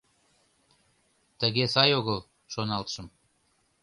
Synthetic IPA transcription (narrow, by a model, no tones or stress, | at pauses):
t̪əɣesɑjoɣəl | ʃonɑlt̪ʃəm